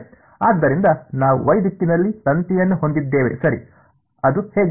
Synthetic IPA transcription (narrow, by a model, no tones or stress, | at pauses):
aːd̪ːɐɾind̪ɐnaːʋuʋɐjd̪it̪ːinɐlːisɐnt̪ijɐnːuɦo̞nd̪id̪ːeːʋesɐɾḭ | ɐd̪uheːɡ